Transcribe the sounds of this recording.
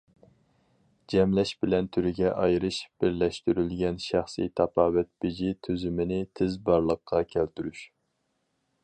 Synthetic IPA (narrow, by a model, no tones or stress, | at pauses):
d͡ʒɛmlɛʃbɪlɛnt̪ʰyɾɪɡʲɛʔɑjɾɨʃb̥ɪɾlɛʃt̪yɾylɡʲɛnʃæχsḭjt̪ʰɑpʰɑːvɛt̪̚b̥ɪd͡ʒit̪ʰøzymɪnɪt̪ʰɪzbɑɾlˠəqʰːɑkʲʰælt̪yɾyʃ